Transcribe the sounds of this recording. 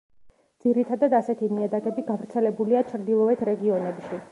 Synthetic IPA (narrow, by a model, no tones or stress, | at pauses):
d̪z̥iɾit̪ʰad̪ad̪asɛt̪ʰimiad̪aɡɛbiɡavɾt̪sʰɛlɛbuliat͡ʃʰɾd̪ilˠɔɛt̪ʰɾɛɡiɔnɛbʃi